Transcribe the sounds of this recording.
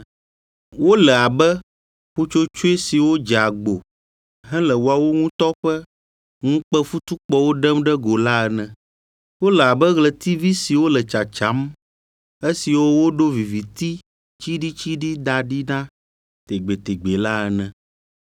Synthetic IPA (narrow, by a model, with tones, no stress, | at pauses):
wo˦lɛ˨a˨bɛ˦ | ɸu˦t͡ʃo˦t͡ʃo˦e˦si˨wo˦d͡ʒa˨ɡ͡bo˨ | ɦɛ̃˦lɛ˨wo˨˦a˨wo˦ŋũ˦t̪ɔ˦ɸɛ˦ | ŋũ˦k͡pɛ˦fu˦t̪u˦k͡pɔ˦wo˦ɖɛ˦mɖɛ˦ɡo˨la˦ɛ˨nɛ̃˨ | wo˦lɛ˨a˨bə˦ɣlə˨t̪i˦vi˦si˨wo˦lə˨t͡ʃa˨t͡ʃa˨˦m | e˦si˨wo˦wo˦ɖo˦vi˨vi˨t̪i˦ | t͡ʃi˦ɖi˦t͡ʃi˦ɖi˦d̪a˨ɖi˦nã˦ | t̪e˨ɡ͡be˨t̪e˨ɡ͡be˨la˦ɛ˨nɛ̃˨